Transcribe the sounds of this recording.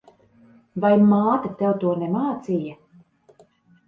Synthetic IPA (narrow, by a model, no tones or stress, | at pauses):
vajmaːt̪at̪ɛwt̪uɔnɛmaːt̪sija